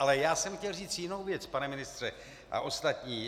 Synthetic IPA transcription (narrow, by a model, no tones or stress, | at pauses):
alɛjaːsɛmxcɛlriːt͡sjɪno̞wvjɛt͡spanɛmɪnɪst̪r̝̥ɛ | ʔa̰ʔo̞st̪at̪ɲiː